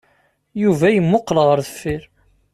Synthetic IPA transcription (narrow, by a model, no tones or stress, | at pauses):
juvæjəmːoqːlʁəɾðəfːiɾ